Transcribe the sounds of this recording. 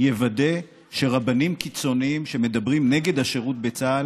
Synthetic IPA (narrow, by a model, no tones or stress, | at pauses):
jevade̞ | ʃe̞ʁabanimkit͡so̞niimʃe̞me̞d̪abʁimne̞ɡe̞d̪haʃe̞ʁut̪̚be̞t͡saːl